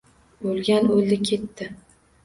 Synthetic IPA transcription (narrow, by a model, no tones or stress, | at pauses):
olˠɡʲanolːɪkʲʰe̞t̪ːɪ